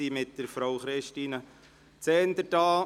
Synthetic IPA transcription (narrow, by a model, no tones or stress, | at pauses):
iːmɪt̚dəɾfɾowχɾɪʃtiːnə | t͡sɛːnd̪əɾdɑː